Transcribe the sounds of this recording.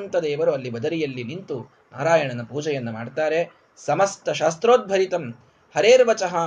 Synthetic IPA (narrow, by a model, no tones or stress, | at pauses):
nt̪ɐd̪eːʋɐɾuɐlːibɐd̪ɐɾijɐlːinint̪u | na̰ːɾaːjɐɳɐnɐpuːd͡ʒɛjɐnːɐmaːɖt̪aːɾe̞ | sɐmɐst̪ɐʃaːst̪ɾoːd̪̚bʱɐɾit̪ɐm | hɐɾeːɾʋɐt͡ʃɐɦɐ